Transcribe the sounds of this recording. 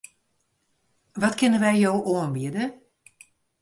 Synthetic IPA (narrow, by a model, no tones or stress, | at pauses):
ʋɔtkɪnənʋɛjjowʔoənbiədə